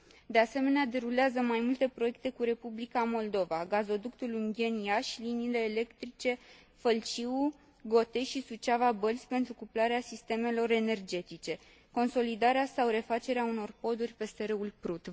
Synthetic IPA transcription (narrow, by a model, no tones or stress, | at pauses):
d̪e̞ase̞me̞nead̪e̞ɾuleazəmajmult̪e̞pɾo̞je̞k̚t̪e̞kuɾe̞publikamo̞ld̪o̞vaɡazo̞d̪ukt̪uluŋɡʲje̞njaʃliniːle̞ːle̞kt̪ɾit͡ʃe̞ | fəlt͡ʃiu | ɡo̞t̪e̞ʃisut͡ʃavabəlsʲpe̞nt̪ɾukuplaɾeasist̪e̞me̞lo̞ɾe̞ne̞rd͡ʒe̞t̪it͡ʃe̞ | ko̞nso̞lid̪aɾeasawɾe̞fat͡ʃe̞ɾeauno̞rpo̞d̪urʲpe̞seɾeulpɾut̪